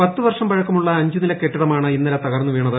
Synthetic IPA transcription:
pɐt̪ːɨʋɐrʂɐmbɐɻɐkːɐmuɭːɐːɲd͡ʑunilɐkːe̞ʈːiɽɐmaːɳɨinːɐlɐt̪ɐɣɐrnːuʋiːɳɐðɨ

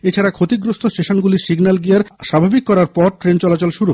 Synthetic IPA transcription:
et͡ɕʰaɾakʰot̪iɡɾost̪ʰosʈeʃonɡuliɾsiɡnalɡijaɾʃabʱabikːɔɾaɾpɔɾʈɾent͡ɕɔlat͡ɕolʃuɾu

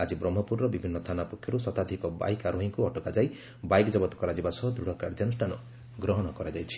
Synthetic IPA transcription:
ad͡ʒibɾɔmːɔpuɾːɔbibʱinːɔt̪ʰanapɔkʰːjɔɾusɔt̪ad̪ʱikɔba̰jkaɾuɦiŋkuɔʈɔkad͡ʒaj | bajkɔd͡ʒɔbɔt̪ɔ̥kɔɾad͡ʒibasɔɦd̪ɾuɽ̤ɔkaɾd͡ʒanusʈʰanɔ | ɡɾɔɦɔɽ̃ɔkɔɾad͡ʒajt͡ʃʰi̥

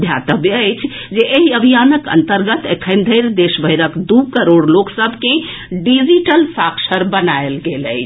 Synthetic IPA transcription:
d̪ʱjat̪əbəjt͡ʃʰ | d͡ʒeʔeɦiəbʱijanəkə̰nt̪əɾɡət̪ekʰə̃nd̪ʱəjɾd̪eʃbʱəjɾəkd̪ukəɾoɽloksəbʱke | ɖid͡ʒiʈəlsakʃʰəɾbənaelɡelə̰ɪt͡ʃʰ

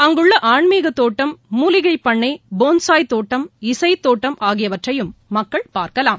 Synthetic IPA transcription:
ɐŋɡɯɭːɐʔaːɳmiːɣɐt̪ːoːʈːɐmːuːlɪɣɐɪpːɐɳːɐɪboːnsaːjt̪oːʈːɐmɪsɐɪt̪ːoːʈːɐmʔaːɣɪjɐʋɐʈrɐjɯmːɐkːɐɭpaːɾkɐlaːm

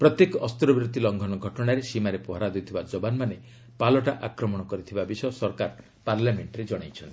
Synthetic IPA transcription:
pɾɔt̪jekɔʔɔst̪ɾɔbɾut̪ilɔŋɡʱɔnɔɡʱɔʈɔɽ̃aɾesimaɾepɔɦaɾad̪ujt̪ʰibad͡ʒɔbanmane | palɔʈaʔakɾɔmɔɽ̃ɔkɔɾit̪ʰibabisɔjɔsɔɾkaɾ | paɾlameɳʈɔɾed͡ʒɔɽ̃ajt͡ʃʰɔnt̪i

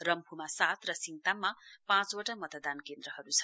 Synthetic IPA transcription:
rʌmpʰumasat̪rʌsiŋt̪amːapãt͡swoʈamʌt̪ʌd̪ankend̪ɾʌhʌɾut͡sʰʌ̥

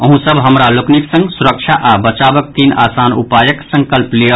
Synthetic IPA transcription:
əɦũsəbɦəmɾalokniksə̃ŋɡsuɾəkt͡ʃʰaʔabət͡ʃabək̚t̪iːna̰ːsaːnṵpajəksə̃ŋkəlplijə

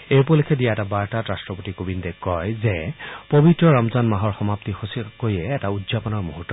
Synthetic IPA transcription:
ejp̬ɔlekʰɛdijaɛtabaɹtatɹastɹɔpotikobindɛkɔjzɛpobitɹɔɹɔmzanmaɦɔɹxɔmaptixosikoiɛːtaudzapɔnɔɹmuɦutːɔ

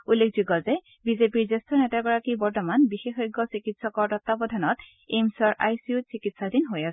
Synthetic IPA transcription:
ulːekʰzuɡɔzɛ | bizepiɹzestʰɔnɛtaɡɔɹakibɔɹtɔmanbixexɔjɡːɔsikitsɔkɔɹtɔtːabɔdʱanɔt | emsɔɹʔa̰jsiutsikitsadinɦojasɛ

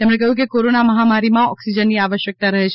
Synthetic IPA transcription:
t̪emɳekəɦjũkekoɾonaməɦamaɾimãɔ̰ksid͡ʒənːiaʋəʃjək̚t̪aɾəɦet͡ʃʰ

